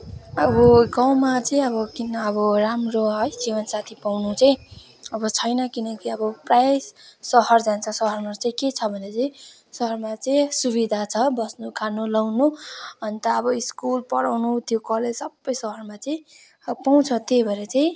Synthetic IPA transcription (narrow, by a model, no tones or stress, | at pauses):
ʌbʌɡʌw̃mat͡saĩʌbʌkinʌʌbʌramroɦʌjd͡zibʌnsat̪ʰipawnut͡saj̃ | ʌbʌt͡sʰʌjnʌkinʌkiʌbʌprajssʌɦʌrd͡zant͡sʰʌsʌɦʌrmat͡saĩket͡sʰʌbʱʌneʌt͡saĩ | sʌɦʌrmat͡saĩsuβid̪ʱat͡sʰʌbʌsnukʰanulawnuʌnit̪ʌːbʌiskulpʌɽawnut̪jokʌled͡zsʌbːʌjsʌɦʌrmat͡saĩ | paw̃t͡sʰʌt̪ebʱʌɾet͡saĩ